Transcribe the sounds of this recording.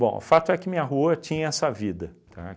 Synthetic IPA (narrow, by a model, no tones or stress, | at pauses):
bõ̰ʊ̰fat̪ʊɛkɪmĩɐɦuuɐt͡ʃĩɲɐɛsɐvid̪ɐt̪a̰